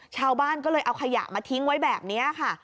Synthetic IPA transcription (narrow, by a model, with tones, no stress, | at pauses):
t͡ɕʰaː˧wbaː˥˩nkɔː˥˩lɤː˧jʔa˧wkʰa˧ja̰˨˩kmaː˧t̪ʰi˦˥ŋwa˦˥jbɛː˨˩p̚ni˦˥ɐkʰa˥˩